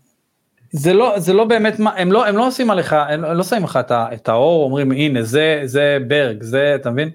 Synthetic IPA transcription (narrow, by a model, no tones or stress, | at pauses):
zelo̞zelo̞be̞ːme̞tmaʔe̞mlo̞e̞mlo̞osimaleχaemelo̞saimleχaet̪aet̪ao̞ʁomʁimine̞zezebe̞ʁɡzeat̪amevin